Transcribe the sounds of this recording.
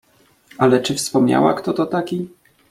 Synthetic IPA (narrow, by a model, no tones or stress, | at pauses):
alɛt͡ʂɘfspɔmɲa̰wa̰kt̪ɔt̪ɔt̪akʲi